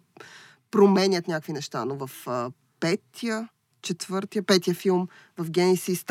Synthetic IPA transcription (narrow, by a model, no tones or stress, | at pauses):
pɾomɛnʲət̪nʲakvinɛʃt̪a̰novɐf | pɛt̪ʰijə | t͡ʃɛt̪vɤɾt̪ijəpɛt̪iəfilˠm | vɐfɡʲɛnisist̪